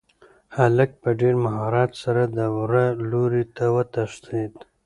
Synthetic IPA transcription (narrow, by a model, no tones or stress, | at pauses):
halək̚pəɖeɾmaɦɑːɾɑːt̪saɾad̪əwɾaloɾit̪awət̪aʂd̪id̪